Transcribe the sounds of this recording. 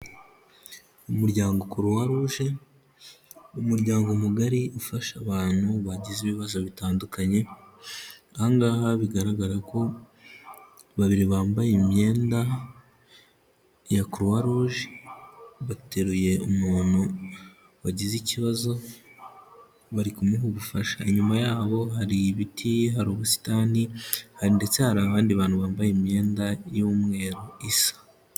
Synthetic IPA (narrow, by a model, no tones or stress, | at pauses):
umuɾɟaːŋɡo̞kuɾuwaɾuːʒe | umuɾɟaːŋɡomuɡaɾiufaʃaβaːn̥huβaɟiziβiβazo̞βitaːndukaɲe̞ | aaŋɡahaβiɡaɾaɡaɾako̞ | βaβiɾiβaːmbajemɲe̞ːnda | jakuɾuwaɾoʒi | βateɾuje̞umuːn̥hu | waɟiziciβazo̞ | βaɾikumuɦuɡufaʃaiɲumajaːβo̞ɦaɾiβitʰiɦaɾoːβusi̥taːnihaɾinde̞t͡se̞haɾaːβaːndiβaːn̥huβaːmbajimɲe̞ːndajumŋe̞ːɾoisḁ